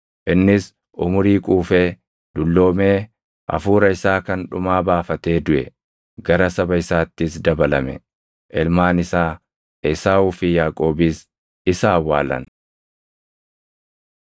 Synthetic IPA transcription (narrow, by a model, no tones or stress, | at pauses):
ʔɪnːɪs | ʔʊmʊɾiːkʼuːfeː | d̪ʊlːo̞ːme̞ː | ʔɐ̰fuːɾɐɪsaːkɐnᶑʊmaːbaːfɐt̪e̞ːd̪ʊʔɛ̰ | ɡɐɾɐsɐbɐɪsaːt̪ːɪsd̪ɐbɐlɐmɛ̰ | ʔɪlmaːnɪsaː | ɪsaːʊːfɪjaːkʼo̞ːbɪs | ɪsaːwːaːlɐ̰n